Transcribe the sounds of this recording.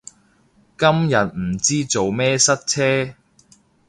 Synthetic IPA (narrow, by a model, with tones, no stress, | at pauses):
kɐ˥mjɐ˨t̚m̩˨˩t͡siː˥t͡so˨wmɛː˥sɐ˥t̚t͡sʰɛː˥